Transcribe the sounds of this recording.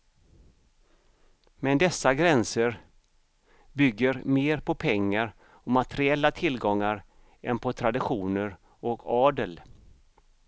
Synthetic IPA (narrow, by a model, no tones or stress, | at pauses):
mɛnd̪ɛsːaɡɾɛnsəɾ | bʏɡːəɾmeːɾpʰɔpʰɛŋːaɾ | ɔmat̪əɾɪɛlːat̪ʰɪlɡɔŋːaɾ | ɛnpʰɔt̪ʰɾad̪ɪɧuːnəɾ | ɔkʰɑːd̪əl